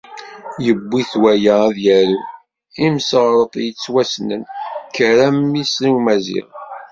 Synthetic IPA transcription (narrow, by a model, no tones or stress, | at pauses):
jəbːiθwæjææðjæɾu | imsʁɾˤət̪ˤjət͡sːwæsnənkːəɾæmːisliwmæzḭʁ